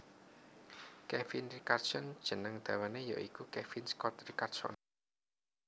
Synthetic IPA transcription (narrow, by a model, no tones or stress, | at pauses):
kɛfinrikart̪sɔnd̥ʒ̥ə̤nəŋd̪̥ä̤waneja̰ʔikukɛfinskɔt̪rikart̪sɔ̰n